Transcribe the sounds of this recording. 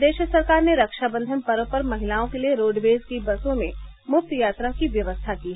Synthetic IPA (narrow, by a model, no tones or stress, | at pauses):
d̪eːʃsɐɾkaːɾneɾɐkʃabə̃nd̪ʱəmpɐɾõpəɾmɐɦɪlaːõkelieɾoːɖʋeːzkibɐsõmẽmʊp̚t̪jaːt̪ɾakiʋjɐʋəst̪ʰakiːɦɛ